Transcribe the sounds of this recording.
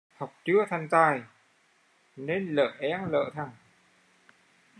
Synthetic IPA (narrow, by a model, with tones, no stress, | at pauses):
ha˨˩wk͡p̚t͡ɕɨ˨˦ət̪ʰa˧˩ŋzaː˧j | ne˧nlə̰ː˧˨ʔɛ˨˦˥ŋlə̰ː˧˨t̪ʰa˨˩ŋ